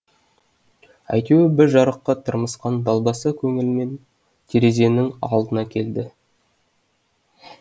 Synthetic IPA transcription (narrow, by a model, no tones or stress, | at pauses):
æ̰jt̪ewɪbɪɾʒɑɾəqːɑt̪ʰəɾməsqɑnd̪ɑlˠbɑsəkʲʰɵŋɪlme̞n | t̪ʰeɾe̞ze̞nɪŋɑ̰lˠd̪ənɑkʲʰe̞ld̪ɪ